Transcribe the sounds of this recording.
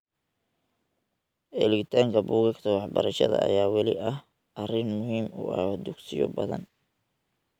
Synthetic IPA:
ʔɛlɣɪt̪ʰaːŋkʰɐbuːɣɐkt̪ʰɐwɑħbɐɾɐʃɐ̰ðɐ̰ʔːjaːwɑlɪʔɐh | ʔɐrɪnmʊɦiːmuʔɐ̰d̪ʊɡsɪjɔ̰bɐðɐ̰n

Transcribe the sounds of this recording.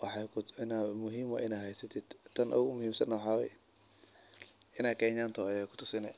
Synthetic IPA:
wɑħɑkʰɪnamʊɦiːmɐ̰ʔɪnaːhɛjsɐt̪ʰɪd̪̥t̪ʰːɐnʔʊ̰ɣʊmʊhiːmsɐnɐwɑħɑːwɛ̰j | ɪnaːkʰɛːɲaːnt̪ʰɔjɛkʰʊ̥t̪ʰʊsɪnɛ

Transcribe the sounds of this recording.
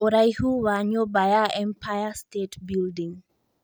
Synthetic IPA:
oɾajhuwaɲobajaɛmpʰajastetbildiŋ

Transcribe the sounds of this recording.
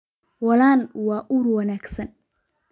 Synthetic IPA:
wɐlaːnwɑːʔurwɐnaːɡsɐn

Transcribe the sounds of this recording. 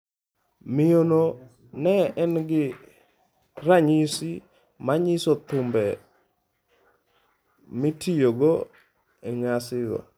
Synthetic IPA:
mɪono | nɛɛnɡɪ | ɾaɲisi | maɲisot̪ʊmbɛ | mitʰijoɡo | ɛŋasɪɡɔ̰

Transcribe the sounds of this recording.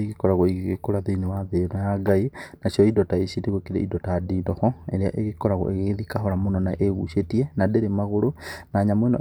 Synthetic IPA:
eɣikɔɾaɣoiɣɣekoɾaðinewaðeɾɔjaɡainaʃjɔidɔtaesideɣwekiɾḛidɔtaadidɔxɔeɾea̰ʔeɣekɔɾaɣo̰eɣeðikaɦɔɾamonɔna̰ʔeɣuʃetienadeɾemaɣoɾonaɲamwenɔ̰

